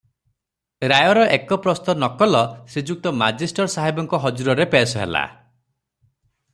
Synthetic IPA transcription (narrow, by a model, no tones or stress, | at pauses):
ɾajɔɾɔʔekɔpɾɔst̪ɔnɔkɔlɔsid͡ʒuk̚t̪ɔmad͡ʒisʈɔɾsaɦibɔŋkɔɦɔd͡ʒuɾɔɾepesɔɦḛla̰